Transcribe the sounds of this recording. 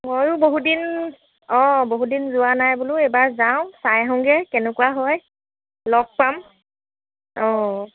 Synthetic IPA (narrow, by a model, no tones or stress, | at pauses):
mojʊboɦudin | ɔ̃boɦudinzʊwanajbulʊɛjbaɹzaʊ̃sajɦɔ̃ŋɡɛkɛnɛkuwaɦɔj | lɔk̚pam | ɔ